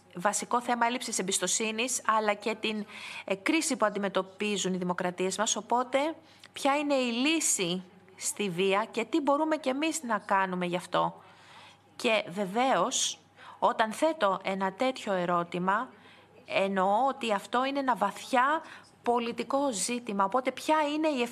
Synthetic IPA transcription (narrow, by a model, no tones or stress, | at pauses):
vɐsiko̞θe̞mɐe̞lipsise̞mbist̪o̞sinisɐlɐce̞t̪inkɾisipuɐnd̪ime̞t̪o̞pizuniðimo̞kɾɐt̪ie̞zmɐso̞po̞t̪e̞ | pçɐine̞ilisi | st̪iviɐce̞t̪ibo̞ɾume̞ce̞miznɐkɐnume̞ʝɐft̪o̞ | ce̞ve̞ve̞o̞s | o̞t̪ɐnθe̞t̪o̞ʔe̞nɐt̪e̞t̪ço̞e̞ɾo̞t̪imɐ | eno̞ot̪iɐft̪o̞ine̞enɐvɐθçɐ | po̞lit̪iko̞zit̪imɐo̞po̞t̪e̞pçɐine̞ief